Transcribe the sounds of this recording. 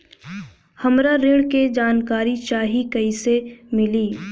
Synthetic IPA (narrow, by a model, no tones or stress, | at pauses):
hɐmɾaɾɪɽked͡ʒaːnkaːɾit͡ʃaːɦikɐisemɪliː